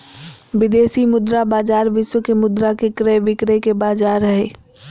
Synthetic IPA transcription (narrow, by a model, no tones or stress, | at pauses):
ʋɪd̪eːsimʊd̪ɾabaːd͡ʒaːɾʋɪʃwəkemʊd̪ɾakekɾeʋɪkɾekebaːd͡ʒaːɾəɦeː